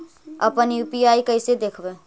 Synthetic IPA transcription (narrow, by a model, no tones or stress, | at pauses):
ə̰pənjuːpiaːikəɪsed̪eːkʰbẽː